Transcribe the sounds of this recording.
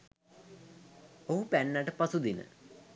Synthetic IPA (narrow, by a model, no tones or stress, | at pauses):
oɦupɛnːaʈəpɐsud̪inə̰